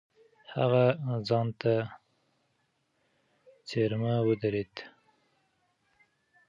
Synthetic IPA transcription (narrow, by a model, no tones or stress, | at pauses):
ha̰ɣazɑnt̪a | t͡seɾmawəd̪aɾet̪